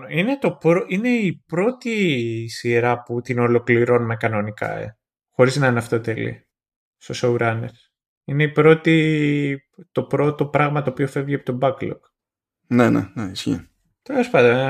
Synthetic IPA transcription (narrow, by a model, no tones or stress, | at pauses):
ine̞t̪o̞pɾoʔine̞ipɾo̞t̪isiɾɐput̪ino̞lo̞kliɾo̞numɐkɐno̞nikɐ̰ḛ | xo̞ɾiznɐineɐft̪o̞t̪elḭ | st̪o̞souɾɐnḛs | ine̞ipɾo̞t̪i | t̪o̞pɾo̞t̪o̞pɾɐɣmɐt̪oːpio̞fe̞vʝiɐpo̥t̪obɐklo̰k | nenḛneisçḭ | t̪e̞lespɐnd̪o